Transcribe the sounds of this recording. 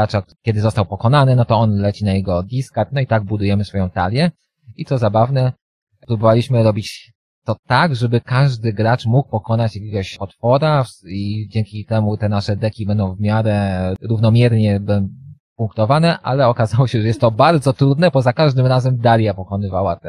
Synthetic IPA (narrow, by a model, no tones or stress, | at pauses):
at͡ʂakkʲjɛd̪ɘzɔst̪awpɔkɔnanɘnɔt̪ɔɔnlɛt͡ɕinajɛɡɔd̪ʲiskaɾt̪nɔit̪aɡ̚bud̪ujɛmɘsfɔjɔ̃w̃t̪a̰lʲjɛ | it̪ɔzabavnɛ | pɾubɔvalʲiɕmɘɾɔbʲit͡ɕ | t̪ɔt̪aɡʐɛbɘkaʐd̪ɘɡɾat͡ʂmuk̚pɔkɔnat͡ɕjakʲeɡɔɕpɔt̪fɔɾaid͡ʑɛŋkʲit̪ɛmut̪ɛnaʂɛd̪ɛkʲibɛnd̪ɔ̃w̃vmʲjaɾɛɾuvnɔmʲjɛɾɲɛbɛ | puŋkt̪ɔvanɛʔʔa̰lɛɔkazawɔɕɛʐɛjɛst̪ːɔbaɾd̪zɔt̪ɾud̪nɛbɔzakaʐd̪ɘmɾazɛmd̪alʲjapɔkɔnɘvawat̪ɛ